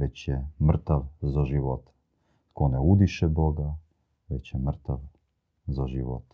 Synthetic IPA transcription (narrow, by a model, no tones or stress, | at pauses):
ʋɛt͡ɕjɛmr̩t̪aʋzaʒiʋot̪ | t̪konɛud̪iʃɛboɡa | ʋɛt͡ɕjɛmr̩t̪aʋ | zaʒiʋo̰t̪